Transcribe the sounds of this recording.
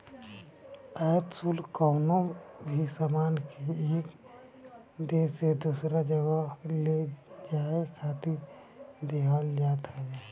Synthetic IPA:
aːt̪sulkɔːnõbʱisamaːnkieːk | d̪eːsed̪uːsɾad͡ʒəɡəled͡ʒaːekʰaːt̪ɪɾ | d̪eɦalːjat̪aɡaː

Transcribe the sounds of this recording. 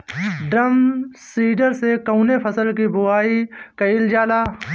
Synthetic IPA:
ɖɾəmsiːɖəɾsekəːnepʰəsəlkibʊaːikəɪld͡ʒaːlaː

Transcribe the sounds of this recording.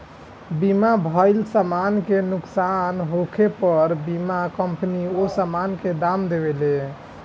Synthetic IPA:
bimabʱəɪlsamankenuksanɦokʰepəɾbimakəmpniosamanked̪amd̪ebele

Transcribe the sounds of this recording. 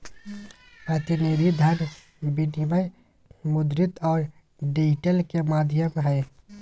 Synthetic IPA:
ət̪ineɾid̪ʱən | biniʋəj | mʊd̪ɾɪt̪ɔːɾ | ɖid͡ʒɪʈəlkemaːd̪ʱjəmɦɛː

